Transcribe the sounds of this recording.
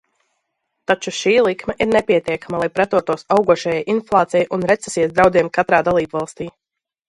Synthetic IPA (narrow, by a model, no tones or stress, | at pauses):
t̪at͡ʃuʃiːlˠikmɛʔiɾnɛpʲiɛt̪iɛkamalˠajpɾat̪uɔt̪uɔsawɡuɔʃajajʔinflˠaːt̪sijɛjʔunɾɛt̪sɛsiːɛsd̪ɾawd̪ziɛmkat̪ɾaːd̪alˠiːbvɑlˠst̪iː